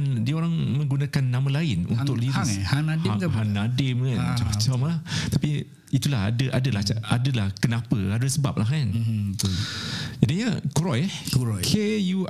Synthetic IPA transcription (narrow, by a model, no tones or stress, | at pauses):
n | diəoɾaŋmə̃ŋɡunakanːãmãlaɪnṵnt̪ʊkliɾaanadɪahanadɪmkand͡ʒat͡ʃamlaht̪api | it̪ulaɦa̰dəʔadəlahadəlahkənãpəadəsəba̰p̚laɦkan | d͡ʒadiɲakuɾɔjkuɾɔjkʰejuʔ